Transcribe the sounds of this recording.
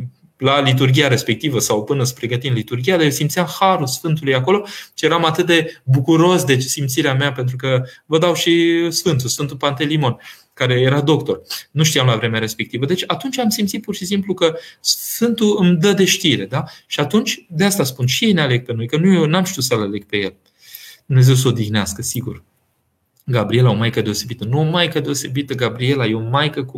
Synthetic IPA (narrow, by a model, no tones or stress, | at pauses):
lalit̪̬urɡʲijaɾe̞spe̞k̚t̪ivəsawpɨnəsə̥pɾe̞ɡət̪ind̪lit̪urɡʲijad̪ajesimt̪siamhaɾulsfɨnt̪ulujako̞lo̞t͡ʃije̞ɾamat̪ɨt̪̚d̪e̞bukuɾo̞sd̪e̞t͡ʃsimt̪siɾeameape̞nt̪̬ɾukəvəd̪awʃisfɨnt̪usfɨnt̪upant̪e̞limo̞n | kaɾe̞jeɾad̪o̞kt̪o̞rnuʃt̪ijamlavɾe̞meaɾe̞spe̞k̚t̪ivəd̪e̞t͡ʃʲat̪unt͡ʃʲamsimt̪sit̪̚purʃisimplukəsfɨnt̪uɨmd̪əd̪e̞ʃt̪iɾe̞d̪aʃiat̪unt͡ʃʲd̪east̪aspunʃije̞jneale̞ɡ̥̚pe̞no̞jkənujenamʃt̪iut̪səlale̞ɡ̥̚pe̞je̞l | d̪umne̞ze̞ws̬əo̞d̪ixneaskəsiɡṵr | ɡabɾie̞lao̞majkəd̪e̞o̞se̞bit̪ənuomajkəd̪e̞o̞se̞bit̪əɡabɾie̞lajeomajkəku